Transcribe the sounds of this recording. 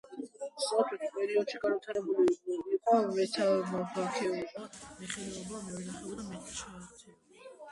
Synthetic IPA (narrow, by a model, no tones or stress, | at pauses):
sɔχɛt̪ʰpʼɛɾiɔd̪̥ʃiɡanvit̪ʰaɾɛbuliiqʼamɛt̪ʰamabʰakʰɛɛbamiχɛlɛɔbamɔɛnaχɛd̪amatiʃʰaaɛ